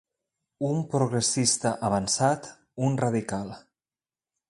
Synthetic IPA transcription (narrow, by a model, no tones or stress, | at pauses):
umpɾoɣɾesist̪əʔaβ̞ansat̪ | unraðikalˠ